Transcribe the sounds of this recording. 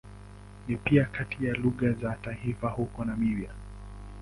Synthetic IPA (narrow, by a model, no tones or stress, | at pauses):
nipiakatijaluɠazataifahukɔnamivja